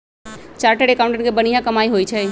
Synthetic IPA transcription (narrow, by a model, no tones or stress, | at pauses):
t͡ʃaːɾʈeɽekaːʊ̃ɳʈə̃ɳɡebənijãkɐmaːiɦoːit͡ʃʰɛ